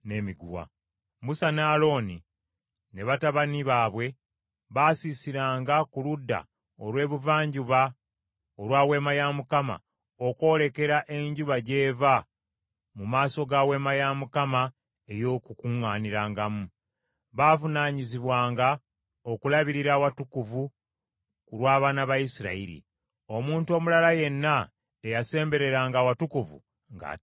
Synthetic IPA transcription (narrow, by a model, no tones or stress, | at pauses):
ne̞miɡṵwa̰ | musanaːlo̞ːni | ne̞βataβaniβaːβwe̞ | βaːsisiɾaːŋɡakuludːa̰ | o̞lwe̞ːβuvaːɲɟuβa | olwaːwe̞ːmajamukama̰ | o̞kwo̞ːle̞ke̞ɾaʔe̞ɲɟuβaɟe̞ːva | mumaːso̞ɡaːwe̞ːmajamukama | e̞jo̞ːkukuŋaːniɾaːŋɡamu | βaːvunaːɲiziβwaːŋɡa | o̞kulaβiɾiɾaːwatukuvu | kuɾwaːβaːnaβajisiɾa̰iɾḭ | o̞muːntuo̞ːmulalaje̞nːa | ejase̞ːmbe̞ɾe̞ɾaːŋɡaːwatukuvṵ | ŋɡa̰